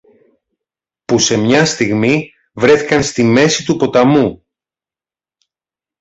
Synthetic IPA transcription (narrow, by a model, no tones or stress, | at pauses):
puse̞mɲɐst̪iɣmi | vɾe̞θikɐnst̪ime̞sit̪upo̞t̪ɐmu